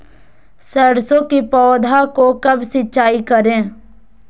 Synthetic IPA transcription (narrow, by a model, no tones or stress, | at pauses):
səɽsõkipɔːd̪ʱakokɐbsɪtːt͡ʃaːikɐɾẽː